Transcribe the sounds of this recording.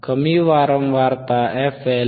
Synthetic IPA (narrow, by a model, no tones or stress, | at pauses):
kəmiwaɾɔmwart̪aɛfɛ